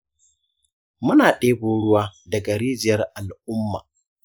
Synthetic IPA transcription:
mʊ˦naː˨ɗeː˦bʊ˦ɽʊ˦waː˦dɐ˨ɡɐ˨ɾiː˦d͡ʒɪ˨jɐ˦rʔa˨lʔʊ˦mːa̰ː˨

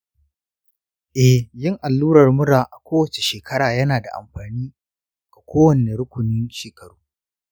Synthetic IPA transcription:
ʔɛ˨hjɪ˦ŋʔa˨lːuː˦ɾɐ˨rmʊ˦ɽaː˨ʔa˨kʷoː˦wɐ˨t͡ʃe̥˨ʃeː˨kʰɐ˦ɽaː˨jɐ˦naː˨da̰˨ʔa̰˨mɸaː˨niː˦ | ɡa˨kʷoː˦wɐ˨ne˨ɽʊ˦kʷʊ˨nɪ˦nʃeː˨kʰɐ˨ɽuː˦

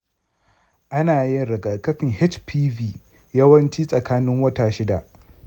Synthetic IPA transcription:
ʔa˦naː˨jɪ˦nɽɐ˨ɡɐ˨kɐ˦ɸɪ˨ŋhɪ˦t͡ʃpʰiː˦viː˨ | jɐ˦wɐ˦nt͡ʃiː˦sʼɐ˨kaː˦nɪ˦ŋwɐ˦taː˨ʃɪ˦da˨ʔ

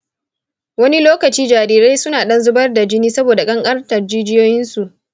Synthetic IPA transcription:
wɐ˦ni˦loː˦kɐ˨t͡ʃiː˦d͡ʒaː˨ɾiː˨ɾa˦jsʊ˦naː˨ɗɐ˦nzʊ˦bɐ˦rda˨d͡ʒɪ˦niː˦sɐ˦boː˨da˨kʼɐ˦ŋkʼɐ˦rtɐ˨rd͡ʒiː˦d͡ʒɪ˦joː˦jɪ˦nsu˨ʔ

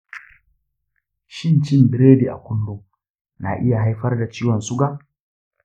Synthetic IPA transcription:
ʃɪ˦nt͡ʃɪ˦mbɪ˨ɾeː˦di˨ʔa̰˨kʷʊ˦nlʊ˦ŋ | na˨ʔɪ˦ja˨ɦa˦jɸɐ˦rda˨t͡ʃiː˦wɔ˨nsʊ˦ɡa˦˨

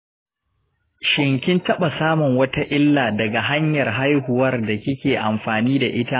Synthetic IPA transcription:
ʃɪ˨ŋkʲɪ˦ntɐ˦ɓa˨saː˦mʊ˨ŋwɐ˦ta˦ʔɪ˦lːaː˨dɐ˨ɡa˨ɦa˦ɲjɐ˨rɦa˦jɦʊ˨wɐ˦rda˨kʲɪ˦kʲeː˨ʔa˨mɸaː˨niː˦da˨ʔɪ˦ta˦

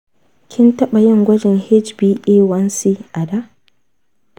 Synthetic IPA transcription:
kʲʰɪ˦ntɐ˦ɓa˨jɐ˦ŋɡʷɐ˦d͡ʒɪ˨ŋhɛ˦d͡ʒbiː˦ʔeː˦wɐ˦nsiː˦ʔa˨da˦

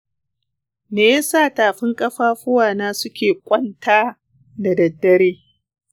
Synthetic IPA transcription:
neː˨jɐ˦saː˦˨taː˨ɸɪ˦ŋkʼɐ˦ɸaː˦ɸʊ˦waː˨naː˦sʊ˦kʲeː˨kʷʼɐ˦ntʰaː˦ | da˨dɐ˨dːɐ˦ɾeː˦

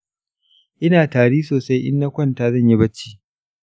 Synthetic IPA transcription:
ʔɪ˦naː˨taː˨ɽiː˦soː˨sa˦jʔɪ̰˦nːa˦kʷɐ˦˨ntaː˨zɐ˦˨ɲji˦bɐ˦t͡ʃːi̥ː˦

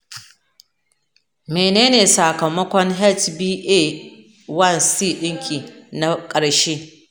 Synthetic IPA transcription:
meː˨neː˦neː˨sa˨kɐ˨mɐ˦kʷɔ˦ŋɦɛ˦˨t͡ʃbiː˦ʔe˦˨ | wɐ˦˨nsiː˦˨ɗɪ˦ŋkʲʰʼiː˨na˦kʼɐ˨ɽʃeː˦

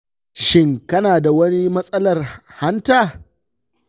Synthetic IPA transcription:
ʃɪ˦˨ŋkɐ˦naː˨da˨wɐ˦ni˦mɐ˦sʼɐ˦lɐ˨rha˦ntaː˨

